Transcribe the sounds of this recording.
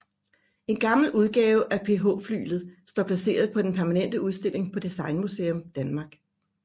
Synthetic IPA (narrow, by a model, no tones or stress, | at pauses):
e̝nɡ̥ɑ̈ml̩uð̞ˠɡ̥ɛːʊʔæpʰe̝ɦo̰ːfly̰ːlð̩ˠsd̥ɒ̰ːpʰlæse̝̰ːɐð̞̩ˠpʰɒ̽d̥enpʰæɐmænen̰d̥əuð̞ˠsd̥e̝l̰e̝ŋpʰɒ̽d̥isɑ̈ɪnmuseːomd̥ænmɑ̈ːɡ̥